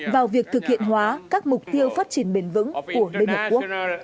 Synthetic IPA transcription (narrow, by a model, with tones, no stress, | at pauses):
vaː˨˩wvi˨˩ək̚t̪ʰɨ˨˩k̚hḭ˧˨ənɦwaː˨˦kaː˦˥k̚mʊ˨˩k͡p̚t̪i˧əwfaː˦˥t̚t͡ɕi˧˩ənɓe˨˩nvɨ̰˧˥ŋku˧˩əli˧nhəː˨˩ku˦˥ə˩k̚